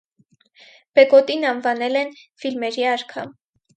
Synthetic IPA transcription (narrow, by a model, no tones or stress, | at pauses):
b̥ɛɡɔt̪inɑnvɑnɛlɛnfilmɛɾiɑɾkʰɑ̰m